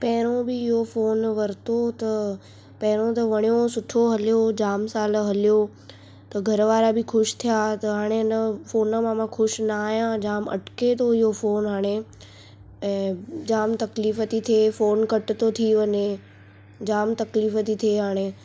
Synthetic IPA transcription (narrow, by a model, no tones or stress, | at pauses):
pɐɦɪɾ̃õbɪɪɦofoːnʋɐɾɪt̪ot̪ɐ | pɐɦɪɾ̃õt̪ɐʋɐɽ̃ijosʊʈʰoɦɐlijod͡ʑaːmsaːlɦɐlijo | t̪ɐɡʱɐɾəʋaːɾabɪkʰʊʃt̪ʰijaːt̪ɐɦaːɽ̃eɪnəfoːnə̆mãmãkʰʊʃnaːɦijãd͡ʑaːmɐ̰ʈket̪ʰoɪɦofoːnɦaːɽ̃e | d͡ʑaːmt̪ɐkliːfət̪it̪ʰiefoːnkɐʈɪ̆t̪ot̪ʰiʋɐɲe | d͡ʑaːmt̪ɐkliːfət̪it̪ʰieɦaːɽ̃e